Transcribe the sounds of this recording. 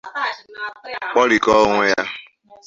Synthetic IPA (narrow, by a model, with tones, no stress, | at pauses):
k͡pɔ˦ɾi˨kɔ˦ŋʷʊ˦ja˦